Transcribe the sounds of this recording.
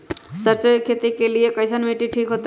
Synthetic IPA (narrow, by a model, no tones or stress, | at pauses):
sʌɾt͡sojkʰet̪ikelijekʌjsʌnmiʈiʈʰikɦot̪